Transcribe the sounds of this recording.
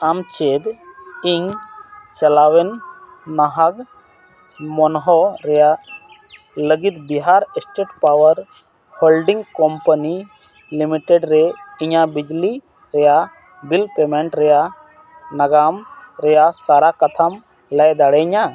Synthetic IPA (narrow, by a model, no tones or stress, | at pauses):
amt͡ʃed̪iŋt͡ʃɐlawɛnː | aɦak | mɔnɦɔɾɛja | ləɡit̪biɦaɾɛsʈeʈpawəɾ | hɔlɖiŋkɔmpəni | limiʈeɖɾɛiɲabid͡ʒli | ɾɛja | bilpemɛɳʈɾɛja | naɡamɾɛjasaɾakɐt̪ʰam | lɛjd̪aɽɛɲa